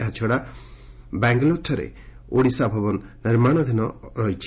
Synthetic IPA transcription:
at͡ʃʰɔɽa | bɛŋɡloʈʰɔɾḛ | oɽisabʱɔbɔnnɪɾmaɽ̃ɔd̪ʱinɔɾɔjt͡ʃʰ

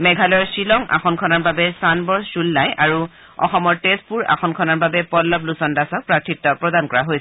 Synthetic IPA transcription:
mɛɡʱalɔɹsilɔŋa̰xɔnkʰɔnaɹbabɛsanbɔɹsulːajʔaɹu | ɔ̰xɔmɔɹtespuɹa̰xɔnkʰɔnaɹbabɛpɔlːɔplusɔndasɔk̚pɹaktʰitːɔpɹɔdankɔɹaɦojsɛ

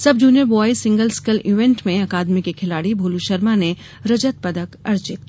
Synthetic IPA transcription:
sɐb̚d͡ʒuːnjəɾbɔːisɪ̃ŋɡəlskəliʋẽɳʈmẽɐkaːd̪mikikʰɪlaːɽibʱuːluʃəɾmane | ɾɐd͡ʒət̪̚pɐd̪əkɐɾd͡ʒɪt̪̚

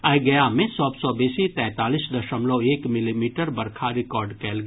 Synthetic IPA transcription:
ajɡɐjamẽsɔːbsɔbɛːsit̪ɛ̃ːt̪aːliːsd̪ɐʃəmloeːkmɪlimiːʈəɾbɐɾkʰaɾɪkɔːɾɖkɛːlɡ

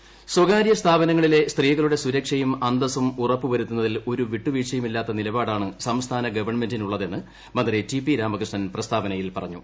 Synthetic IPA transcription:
swɐɡaːɾjɐst̪ʰaːbɐnɐŋːɐɭile̞st̪riːɣɐɭuɽe̞suɾɐkʂɐjumɐnd̪ɐsumurɐpːɨʋɐɾut̪ːunːɐðilo̞ɾuʋiʈːuʋiʂɐjumilːaːt̪ːɐnilɐbaːɽaːɳɨsɐmst̪ʰaːnɐɡɐʋɐrɳme̞ndinuɭːɐðe̞nːɨ | mɐnd̪ritipːiɾaːmɐkrɨʂɳɐnprɐst̪ʰaːbɐnɐjilpɐrɐɲːṵ

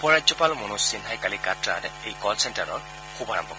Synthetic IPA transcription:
ɔpɔɹadzɔpalmonusinɦajkalikatɹa̰tejkɔlsɛntaɹɔ̰ɹ | kʰuba̰ɹɔ̰mbʱɔkɔ

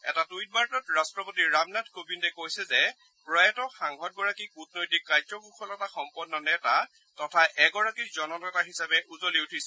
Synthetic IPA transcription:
ɛ̰tatujt̚baɹtɔtɹastɹɔpotiɹamnadkobindɛkojsɛzɛ | pɹɔjɛtɔxaŋɡɔt̚ɡɔɹakikut̚nojtikːɹajzɔɡuxʰɔlɛtaxɔmpɔnːɔnɛta | tɔtʰaʔɛɡɔɹakizɔnɔnɔtaɦisabɛʔuzoliutʰisɛ

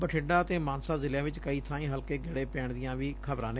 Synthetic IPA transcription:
bəʈʰɪɖaːət̪eːmãːnsaːzɪljãːʋɪt͡ʃkəiːt̪ʰãːĩːɦəlkeːɡɪɽeːpɛːɳd̪ɪjãːʋiːkʰəbɾãːne

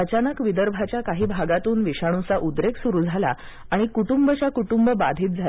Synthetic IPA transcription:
ət͡ɕanəkʋid̪əɾbʱat͡ɕjakaɦiːbʱaɡat̪uːnʋiɕaɽ̃ũsaʔud̪ɾeksuɾuːd͡zʱala̰ | aɽ̃ikuʈumbət͡ɕakuʈumbəbad̪ʱiːt̪̚d͡zʱal

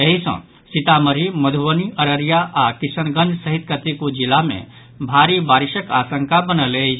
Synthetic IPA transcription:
eɦisə̰̃ | sit̪aməɾiməd̪ʱuʋəniəɾəɾijaʔakisənɡə̃nd͡ʒsəɦit̪kət̪ikud͡ʒilamḛ̃ | bʱaːɾibaːɾiʃəkaːsə̃ŋkabənəle

